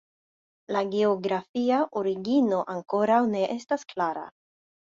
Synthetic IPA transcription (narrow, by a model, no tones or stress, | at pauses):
laɡeoɡɾafiaʔoɾiɡino̞ʔaŋko̞ɾawne̞ʔestasklaɾa̰